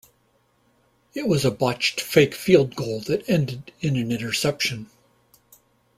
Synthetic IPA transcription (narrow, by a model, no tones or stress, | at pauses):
ɨt̚wʌzəbɑt͡ʃtfeɪkfilˠd̚ɡoʊlˠðɨɾɛ̃ndɨɾɨ̃nɨ̃nɪ̃ɾ̃ə˞sɛpʃɨ̃n